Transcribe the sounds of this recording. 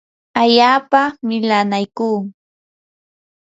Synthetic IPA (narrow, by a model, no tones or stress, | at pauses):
aʎaːpamɪlanajkuː